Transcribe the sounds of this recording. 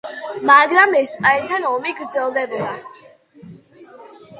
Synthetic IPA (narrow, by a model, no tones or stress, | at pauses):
maɡɾamɛspʼaɛnt̪ʰanɔmiɡɾd̪zɛlˠd̪ɛbɔa